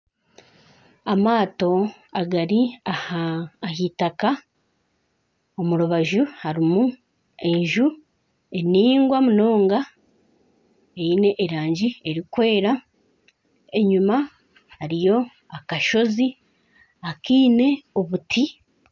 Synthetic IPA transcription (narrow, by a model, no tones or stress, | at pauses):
amaːto̞aɡaɾiahaːɦitaka | omuɾuβaʒuhaɾimu | e̞ɲʒu | e̞niːŋɡwamuno̞ːŋɡa | eine̞ʔːɾaːɲɟie̞ɾikwe̞ːɾa | e̞ɲuma | haɾijo̞ | akaʃo̞zi | akiːne̞o̞βutʰi